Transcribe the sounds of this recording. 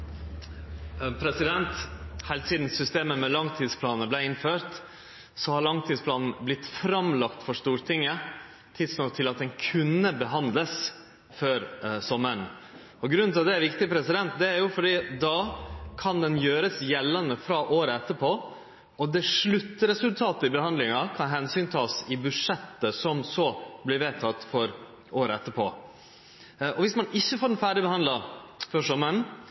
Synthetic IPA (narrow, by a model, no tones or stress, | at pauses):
pʰɾɛsɪd̪ɛnt̪hæɪlsiːd̪n̩sʏst̪eːməmɛlɑŋt̪ʰiːd̪spʰlɑːnəblæɪɪnføːɾt̪ | sɔhɑɾɭɑŋt̪ʰiːspʰlɑːnn̩blɪt̪ːfɾɑmlɑkt̪fɔʂt̪uːɾt̪ʰɪŋːə | t̪ʰɪd̪snɑt̪ʰɪlɑt̪̚d̪ɛnkʰʉnːəbəɦɑnd̪ləs | føːɾsɔmːəɳ | ɔɡɾʉnɑʋd̪ɛæɾʋɪkt̪ɪpʰɾɛsɪd̪ɛnt̪d̪ɛæɾjʊfɔɖiːd̪ɑkʰɑnd̪ɛnjøːɾəsjɛlːənəfɾɑʔoːɾəɛt̪ːəɾpʰoː | ɔd̪ɛʂɭʉt̪ːəɾɛsʉlt̪ʰɑːt̪əɪbəhɑnd̪lɪŋɑkʰɑnɦɛnsyːnt̪ʰɑːsɪbʉʂɛt̪ːəsɔmsɔblɪɾʋeːt̪ʰɑt̪ːfɔɾ | oːɾəɛt̪ːəpʰo̰ː | ɔʋɪsmɑnɪçːəfoːɾɛnfæːɖɪbəhɑnd̪lɑfɔʂɔmːəəɳ